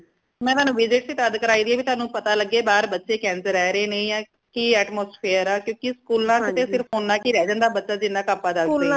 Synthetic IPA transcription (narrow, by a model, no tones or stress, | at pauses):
mɛ̃ːt̪ʊɦaːnũːʋɪd͡ʒɪʈsiːt̪əd̪kəɾaːiːd̪iːɛːbiːt̪ʊaːnũːpət̪aːləɡːeːbaːɾbətːʃeːkɛ̃ːnsəɾɛːɾeːnəĩːãː | kiːɛːʈmoːspʰeːəɾaːkjõːkɪskuːlnãːkɪt̪eːsɪɾpʰɦoːnːãːkiːɾɛːd͡ʒə̃ːnd̪aːbətːʃaːd͡ʒɪnaːkaːpːaːd̪aː